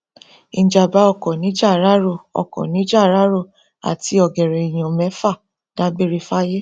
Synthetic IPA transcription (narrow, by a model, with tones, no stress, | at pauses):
ĩ˧˨d͡ʒa˧˨ba˨˦ɔ˦˧˨kɔ˨nĩ˨˦d͡ʒa˦˨ɾa˦ɾo˦˨ɔ̰˨kɔ̰˨nĩ˨˦d͡ʒa˦˨ɾa˨˦ɾo˦˨ | a̰˨ti˧˦ɔ˨ɡɛ˨ɾɛ˨i˨j̃ã˨mɛ̃˨˦fa˦˨ | d̥a˦be˦ɾe˦˧fa˦je˦